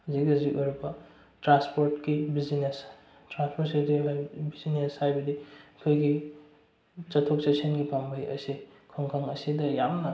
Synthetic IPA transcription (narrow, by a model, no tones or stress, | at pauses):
ɐzikɐzikoɾbɐ | tɾanspoɾtkibizines | tɾanspoɾtsidiɦabizineshajbɐdiɐkʰojɡi | t͡ʃɐtʰok̚sesenɡipambʱajɐ̰sikʰoŋkʰaŋɐsidɐjamnɐ